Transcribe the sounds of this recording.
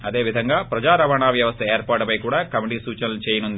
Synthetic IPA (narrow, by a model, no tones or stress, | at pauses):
ɐd̪e̞ːʋid̪ʱɐŋɡaːpɾɐd͡ʒaːɾɐʋɐɳaːʋjɐʋɐst̪ʰɐeːɾpaːʈupɐjkuːɽaːkɐmiʈiːsuːt͡ʃɐnɐlut͡ʃeːjɐnund̪i